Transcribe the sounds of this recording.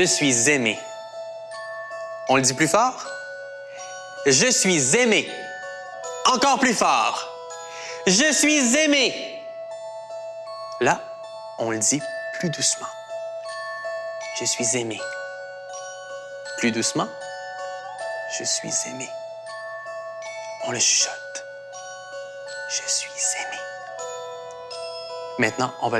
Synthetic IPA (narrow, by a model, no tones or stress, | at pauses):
əsɥizemḛ | ɔ̃ləd̪iplyfɔːʁ | ʒəsɥizeme | ɑ̃kɔːʁplyfɔ̰ːʁ | ʒəsɥizeme | la | ɔ̃ləd̪iplyd̪usmɑ̃ | ʒ̥əsɥizeme | plyd̪usmɑ̃ | ʒ̥əsɥḭzeme | ɔ̃ləʃɔ̥t̪ | ʒ̥əsɥiz̥eme | mɛ̃t̪nɑ̃ɔ̃va